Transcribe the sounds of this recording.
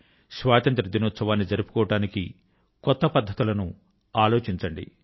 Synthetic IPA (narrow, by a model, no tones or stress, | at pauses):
ʃʋaːt̪ɐnt̪ɾɐd̪inoːt̪sɐʋaːnːid͡ʒɐɾupu̥kɔːʋɐɽaːniki | kɔt̪ːɐpɐd̪ʱːɐt̪ulɐnu | aːlo̞ːt͡ʃiɲt͡ʃɐɳɖḭ